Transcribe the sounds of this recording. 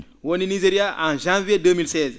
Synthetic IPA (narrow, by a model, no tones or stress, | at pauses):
woninizeɾijaʔã̰ʒãvijedəmilsɛːz